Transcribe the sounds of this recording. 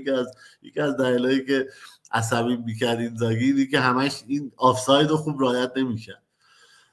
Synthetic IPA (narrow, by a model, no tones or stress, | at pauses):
iæzjḛcʰiæzd̪æliːlɒːjiːce̞ | æs̬æβiːbmiːcʰæɾd̪iːnzɒːɡiːiːnikeɦæmæʃiːnɒːfsɒːjd̪oxuːbɾɛɒːjæt̪̚ne̞miːcʰæɾd̪̥̚